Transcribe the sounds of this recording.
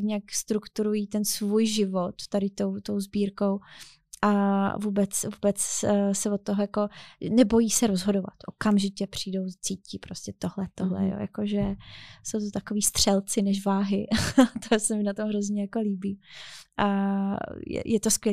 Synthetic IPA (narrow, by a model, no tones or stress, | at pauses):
ɲakst̪ɾukt̪uɾujit̪ɛnsvuːjʒɪvot̪ːadɪt̪o̞wt̪o̞wzbiːɾkow | ʔavuːbɛt͡svuːbɛt͡ssɛvot̪ːoɦojako̞nɛbo̞jiːsɛɾozɦo̞dova̰t̪ʔokamʒɪcɛpr̝̥iːdo̞wt͡siːciːpɾoscʲɛt̪oɦlɛt̪oɦlɛ̰jo̰ːja̰koʒɛso̞wt̪ot̪akoviːst̪r̝̥ɛlt͡sɪnɛʃvaːɦɪt̪osɛmɪnat̪omɦɾozɲɛjako̞liːbiːʔa | jɛ̰jʔɛt̪oskʋjɛi